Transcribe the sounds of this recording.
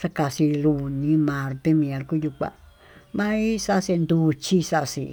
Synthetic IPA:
sa˦ka˧si˧lu˧nĩ˧˦mã˨ɾt̪e˧mĩ˧a˧lku˦ju˧kʷa̰˧ | mã˦i˦sa˦˧se˧nd̪u˧t͡ʃi˦sa˦˧sḭ˧˨

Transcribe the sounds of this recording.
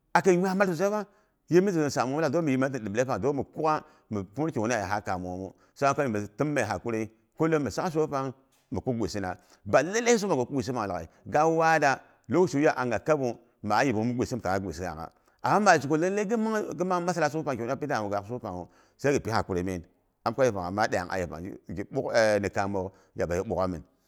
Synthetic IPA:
a˨ke˨ɲ˦a˦ma˦lsu˨s̬a˦ba˦ | je˦mi˦zi˨o˨sa˨m˨˦la˨do˦mi˨ji˨ma˦i˨di˨ble˦pa˨do˦mi˨ku˦a˦ | mi˨pu˦ke˨u˦n˦a˦˨ja˨ɦa˦ka˨m˨˦mu˦ | sa˦a˦ko˦mi˨mi˨ti˦mː˦e˨ɦa˨ku˦ɾe˦ | ko˦lo˦mə˨sa˦ka˦s̬o˦pa˦ŋ | mə˨ku˦ɡʷḛ˨si˦na̰˨ | ba˨le˦le˦i˦s̬u˦pa˨o˨ku˦ɡʷe˨s̬i˦pa˨ŋ˨a˨a̰˨ḭ˨ɡa˦wa˦da˦ | lo˦ʃu˨˦ja˦ʔa˨ŋɡa˨ka˦bu˨ | ma˨˦ji˨bu˨˦mu˦ɡʷe˨si˦m˨ka˨a˦ḛ˨si˦ja̰˨ŋa̰˨ | a˨ma˦ma˨d͡ʒi˨ko˨le˦le˦ɡi˦a˦ŋɡi˦ma˦ma˦sa˦la˦s̬o˦pa˨ŋke˨u˦pi˦da˦˨mu˨ɡa˨s̬o˦pa˨ŋo˨ | sa˦ɡi˨pi˦ha˨ku˦ɾe˨˦me˦˨ | a˨m˦kʷa˦je˨pa˨ŋa̰˨ma˦da˨ja̰˨ŋʔa̰˨ji˨pa̰˨ŋ̰˦ɡi˨ɓu˦kni˨ka˨mo˨k | ja˨ba˨ji˦ɓu˨ka˦mi˨n

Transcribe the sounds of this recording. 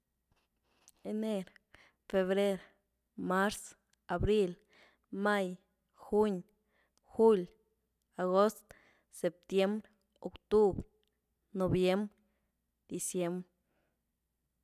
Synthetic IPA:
e˧ne˧ɾ | fe˧βɾe˦ɾ | ma˦ɾs | a˨bɾi˦l | ma˦j | xu˦ɲ | xu˦lʲ | a˨ɣo˦st̪ | se˨p̚t̪je˦mbɾ | o˨kt̪u˦bɾ | no˨bje˦mbɾ | d̪̥i˨sje˧˦mbɾ

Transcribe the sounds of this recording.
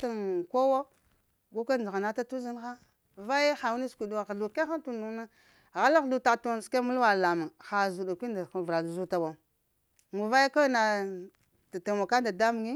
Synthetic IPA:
ta˨nko˦wo˦ | ɡu˦kʷa˦˨a˨ɣa˨na˦ta˦tu˦zi˦n˦xa˦ | va˦je˦xa˨wu˦ni˦skʷi˨du˨wa˨ɣɬu˨ke˦xa˦ntu˦˨nu˨na˦ | ɣa˦la˦ɣɬu˨ta˨to˦n˨ska˦mu˦lwa˨la˨ma˨ŋxa˨zu˨da˨kʷi˦nda˨vɾa˨lzu˦ta˨wa˨ | ŋu˨va˦je˦ka˦na˨ | ta˨ta˨wa˨ka˦nda˨da˦mu˨ŋi˦

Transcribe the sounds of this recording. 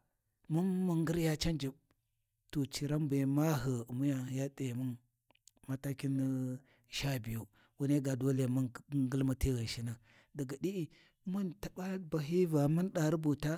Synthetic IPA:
mu˦nːu˦ŋɡə˦ɾja˦t͡ʃa˦nd͡ʒi˨b | to˨t͡ʃi˨ɾa˦mbe˨ma˦ɦə˨mu˦ja˦˨ja˦te˨mu˦n | ma˦ta˦ki˦n˦ | ʃa˦bi˨ju˨ | wu˦ne˦ɡa˨do˦le˦a˨ma˦ŋɡə˦lma˦ti˦ɣa˨ʃi˦na˨ | da˨ɡa˨di˦ʔi˨˦ | mu˦nta˨ba˦ba˨ɦi˦va˨mu˦nɗa˨ɾi˦bu˨ta˦

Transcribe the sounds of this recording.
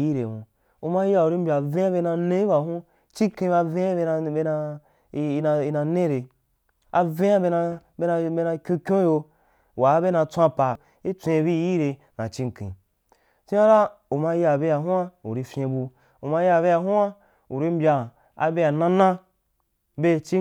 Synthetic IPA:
ji˦ɾe˨nṵ̃˨ | u˧ma˧ja˧˨u˨ɾi˦m̩bʲa˨vẽ˦a˦be˧nã˧nẽ˧˦i˦ba˨ɦũ˦ | t͡ʃi˦ŋ˦kĩ˧˦ba˧vẽ˦a˦e˧n˧be˧na˧ | i˧na˧i˧nã˧nẽ˦ɾe˧ | a˧vẽ˦a˦be˧na˧be˦na˧be˧nã˧kʲũ˧kʲõ˦jo˧ | wa˨˦be˦nã˧t͡sʷã˦˧pa˨ | i˦t͡sʷẽ˧bi˦˧˦ji˦ɾe˧ | nã̰˨t͡ʃi˦ŋkḭ̃˨ | t͡ʃi˦a˦ɾa˦ | u˨ma˧ja˨be˧ja˨ɦũ˦a˦ṵ˨ɾi˧fʲẽ˧bu˧ | u˨ma˧ja˧˨βe˧ja˧ɦu˦a˦ | u˨ɾi˧m̩˦bʲa˧ | a̰˧be˧ja˨nã˦nã˦ | be˧t͡ʃi˦

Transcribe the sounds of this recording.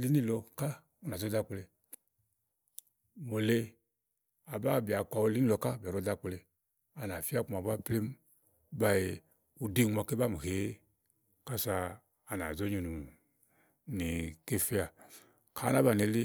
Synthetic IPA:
li˦ni˦˨lɔ˧ka˦ | u˦na˨zo˦da˦k͡ple˧ | mo˨le˧ | a˨ba˦˨bi˨a˨kʷa˨u˧˦li˦i˦lɔ˧ka˦˨bi˨o˨˦da˦k͡ple˧ | a˨na˨fi˦a˦k͡pm˨a˨ba˦ple˦m˦ | ba˨je˨ | u˨di˦˨m˨a˧˨ke˦ba˦˨m˨he˨˦ | ka˦saː˧˨ | na̰˨zo˦ɲu˨nu˨ | ni˨ke˦fi˦a˨ | kʰa˨˦na˦ba˨ne˨li˦

